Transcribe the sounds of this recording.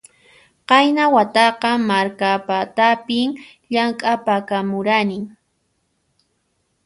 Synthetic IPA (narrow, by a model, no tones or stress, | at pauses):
qɑjnawat̪ɑqɑmaɾkapat̪apɪŋ | ʎaŋkʼapakamʊɾanɪŋ